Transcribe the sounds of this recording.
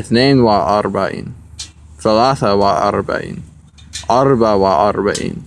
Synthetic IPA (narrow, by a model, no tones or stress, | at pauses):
ɪθneːnwaʔɑɾˤbaʕḭːn | θalaːθawaʔɑ̰ɾˤba̰ʕḭːn | ʔɑɾˤbawaʔɑɾˤbaʕḭːn